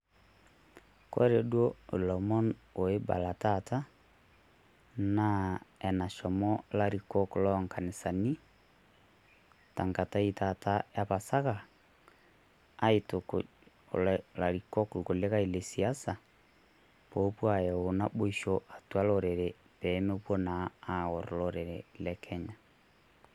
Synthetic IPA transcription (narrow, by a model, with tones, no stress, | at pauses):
kɔ̰˦ɾɛ˨dwɔ˦o˨lɔ˨mɔ˦no˨e˦ba̰˨la˨tata˦ | na˦ɛ˨na˨ʃɔ˨mɔ˦la˦ɾikɔ˦ko˨lɔŋka˨ne˨sa˨ni˦ | ta˨ŋka˨ta˦itata˦ja˦βasa˦ɣa˨˦ | ito˨ko | lla˨ɾikɔ˦kuko˨le˦ɣa˦i˨le˨si˨asa˨ | po˦pwa˨jɛ˨ona˦bo˦iʃoʔa˨twa˦loɾɛɾɛ | βɛ˦me˦βwɔ˦naːɣɔ˨ɾo˨lɔɾɛɾɛlɛkʰɛɲa